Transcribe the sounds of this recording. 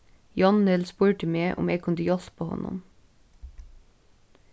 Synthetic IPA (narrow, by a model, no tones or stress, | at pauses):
jɑnnɛlspuːɹʈɪmeːʔʊ̰meːɡ̚kʰʊnd̪əjɔspʰoːhɔ̰nʊ̰m